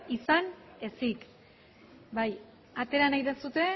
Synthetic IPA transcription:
isane̞sik | baj | at̪e̞ɾanajðesut̪e̞

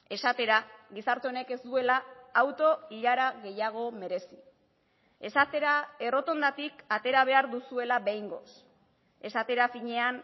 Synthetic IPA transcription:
e̞sat̪e̞ɾaɣisaɾt̪e̞o̞ne̞ke̞zd̪ue̞laːwt̪o̞iʎaɾaɣe̞jaɣ̞o̞me̞ɾe̞si̥ | e̞sat̪e̞ɾae̞ro̞t̪o̞nd̪at̪ikat̪e̞ɾaβ̞e̞aɾðusue̞laβejŋɡo̞̰s | e̞sat̪e̞ɾafiɲe̞an

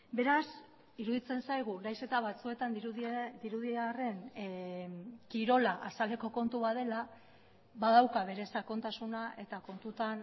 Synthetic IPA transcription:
be̞ɾas | iɾuðit͡se̞nsajɣ̞uɾajse̞t̪aβ̞at͡sue̞t̪and̪iɾuðiare̞n | kiɾo̞laʔasale̞ko̞ko̞nt̪uβaðe̞la | βaðawkaβe̞ɾe̞sako̞nt̪asunae̞t̪ako̞nt̪ut̪an

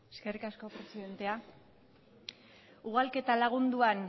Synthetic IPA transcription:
e̞ske̞rikasko̞pɾe̞siðe̞nt̪e̞a | uɣalke̞t̪alaɣ̞und̪uan

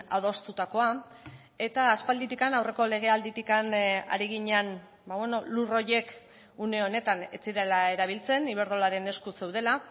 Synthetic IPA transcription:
a̰ðo̞st̪ut̪ako̞a | e̞t̪aːspald̪it̪ikanawre̞ko̞le̞ɣ̞e̞ald̪it̪ikana̰ɾiɣiɲean | baβweno̞luro̞je̞k | une̞o̞ne̞t̪ane̞t͡siɾelae̞ɾaβ̞ilt͡se̞niβ̞e̞ɾðo̞laɾe̞ne̞skuse̞wð̞e̞la

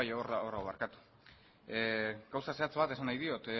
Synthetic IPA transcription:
ajoɾaoraoβaɾkat̪u̥ | ɡ̥awsase̞at͡sβat̪e̞sanajðio̞t̪

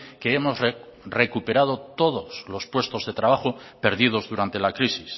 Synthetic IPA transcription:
keemo̞zrre̞kupe̞ɾað̞ot̪o̞ð̞o̞slo̞spwe̞st̪o̞zðe̞t̪ɾaβ̞axope̞ɾðið̞o̞zðuɾant̪e̞lakɾisis

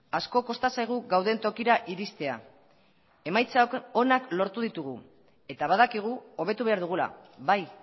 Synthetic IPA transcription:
asko̞ko̞st̪asajɣ̞uɣawð̞e̞nt̪o̞kiɾaʔiɾist̪e̞a | e̞majt͡saoko̞naklo̞ɾt̪uð̞it̪uɣ̞u | e̞t̪aβaðakiɣ̞uo̞β̞e̞t̪uβe̞aɾð̞uɣ̞ula̰βaj

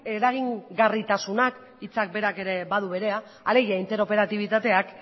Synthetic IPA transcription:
e̞ɾaɣ̞iŋɡarit̪asunak | it͡sak̚be̞ɾake̞ɾe̞bað̞uβe̞ɾe̞aː | le̞ɣiaint̪e̞ɾo̞pe̞ɾat̪iβ̞it̪at̪e̞ak

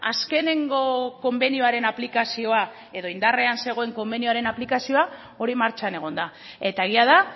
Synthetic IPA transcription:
aske̞ne̞ŋɡo̞ko̞mbe̞niuaɾe̞naplikasio̞a | e̞ðo̞ind̪are̞anse̞ɣ̞o̞e̞ŋko̞mbe̞nioaɾe̞naplikasio̞a | o̞ɾimaɾt͡ʃane̞ɣ̞o̞nd̪a | e̞t̪aeɣiaða

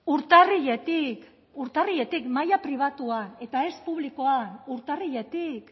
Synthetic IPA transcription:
uɾt̪ariʎe̞t̪ik | uɾt̪ariʎe̞t̪ikmajapɾiβ̞at̪uane̞t̪ae̞spuβliko̞anuɾt̪ariʎe̞t̪ik

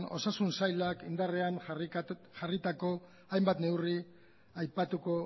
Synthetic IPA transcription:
no̞sasunsajlakind̪arean | ʝarit̪ako̞ | ajmbat̪ne̞wri | ajpat̪uko̞

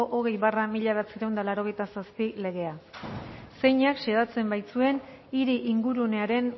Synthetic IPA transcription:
oʔoɣ̞e̞jβaramiʎaβat͡seɾawnd̪alaɾo̞ɣejt̪asaspile̞ɣ̞e̞a | se̞jɲakʃeðat͡se̞mbajt͡sue̞n | iɾiʔiŋɡuɾune̞aɾe̞n

